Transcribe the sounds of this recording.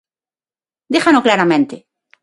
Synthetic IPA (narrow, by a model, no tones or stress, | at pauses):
d̪ixanoklaɾamẽnt̪e